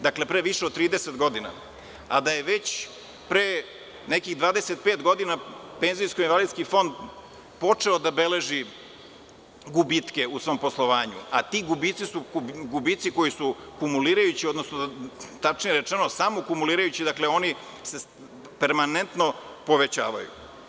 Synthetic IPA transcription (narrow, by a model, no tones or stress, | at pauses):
d̪akle̞pɾeʋiʃeod̪t̪ːɾiːd̪eset̪ɡo̞d̪ina̰ | a̰d̪aje̞ʋet͡ɕ | pɾe | nekiɣd̪ʋaːd̪eset̪̚pet̪ɡo̞d̪inapenzijskoinvalid̪skifo̞nd̪ | po̞t͡ʂeod̪abe̞le̞ʒi | ɡubit̪keusʋo̞mposlˠoʋaːɲṵat̪iːɡubit̪sisuɡubiːt̪siko̞jisukumuliːɾajut͡ɕiod̪nosnot̪at͡ʂnijeɾet͡ʂenosamokumuliːɾajut͡ɕid̪akleo̞ni | se | peɾmanent̪nopo̞ʋe̞t͡ɕa̰ːʋa̰jṵ